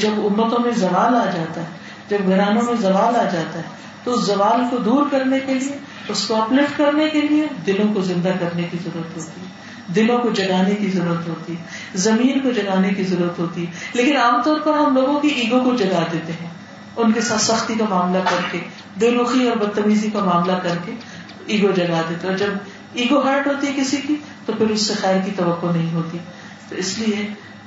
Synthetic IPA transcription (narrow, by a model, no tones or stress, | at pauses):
d͡ʒɐbʊmːət̪õmẽzɐʋaːlaːd͡ʒaːt̪aɦɛː | d͡ʒɐbɡʱɐɾaːnõmẽzɐʋaːlaːd͡ʒaːt̪aɦɛː | t̪oʊszɐʋaːlkod̪uːɾkɐɾnekelie | ʊskoɐplɪfʈkɐɾnekelied̪ɪlõkozɪ̃nd̪akɐɾnekizɐɾuːɾət̪ɦoːt̪iɦɛː | d̪ɪlõkod͡ʒɐɡaːnekizɐɾuːɾət̪ɦoːt̪iɦɛː | zɐmiːnkod͡ʒɐɡaːnekizɐɾuːɾət̪ɦoːt̪iɦɛːleːkɪnaːmt̪ɔːɾpɐɾɦɐmloːɡõkiʔiːɡõkod͡ʒɐɡad̪eːt̪eɦɛ̃ː | ʊnkesaːt̪sɐxt̪ikamaːmlakɐɾke | d̪eːɾuːxiɔːɾbɐd̪̚t̪ɐmiːzikamaːmlakɐɾke | iːɡod͡ʒɐɡaːd̪eːt̪eɔːɾd͡ʒɐb | iːɡoɦaɾʈɦoːt̪iɦɛkɪsiki | t̪opɪɾʊsːexɛːɾkit̪ɐʋɐkːonɐɦĩɦoːt̪i | t̪oɪslie